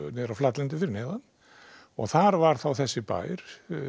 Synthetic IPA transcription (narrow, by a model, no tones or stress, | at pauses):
nɛːðɪɾawflat̪lɛnt̪ɪfɪɾɪnɛːðanː | ɔɣθaɾvaɾ̥θawθɛsːɪpa̰ːjɾ̥